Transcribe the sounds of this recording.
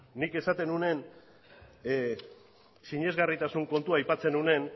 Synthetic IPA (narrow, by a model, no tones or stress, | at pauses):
nike̞sat̪e̞nune̞n | siɲe̞zɣarit̪asuŋko̞nt̪uajpat͡se̞nune̞n